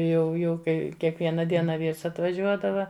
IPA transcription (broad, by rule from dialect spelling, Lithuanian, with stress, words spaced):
jɛʊ ˈjɛʊ ˈkɐɪ kʲiɛkˈʋʲiɛnɐ ˈdʲiɛnɐ ˈʋʲiːrs ɐtʋɐˈʒʲuɔdɐʋɐ